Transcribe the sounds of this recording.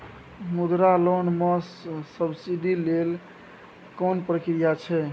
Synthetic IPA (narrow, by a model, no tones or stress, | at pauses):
mud̪ɾalonməsːəbsiɖilel | konpɾəkɾijat͡ʃʰɛ